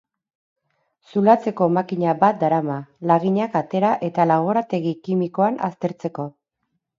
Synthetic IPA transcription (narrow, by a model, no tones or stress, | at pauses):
sulat͡se̞ko̞makiɲabat̪̚d̪aɾamalaɣ̞iɲakat̪e̞ɾaʔe̞t̪alaɣoɾat̪e̞ɣikimiko̞ana̰st̪e̞ɾt͡se̞ko̞